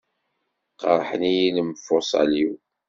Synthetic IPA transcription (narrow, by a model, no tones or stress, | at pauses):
qɑɾˤħənijiləmfʊsˤɑ̰liw